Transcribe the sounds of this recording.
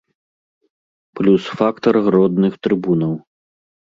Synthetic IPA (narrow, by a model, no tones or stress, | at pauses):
plʲusfakt̪ɐrɣɾɔd̪nɨxt̪ɾɨbunɐw